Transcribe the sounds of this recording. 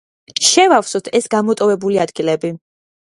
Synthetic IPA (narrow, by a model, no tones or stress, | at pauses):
ʃɛvafsɔt̪ʰɛsɡamɔt̪ʼɔvɛbuliad̪ɡilɛbi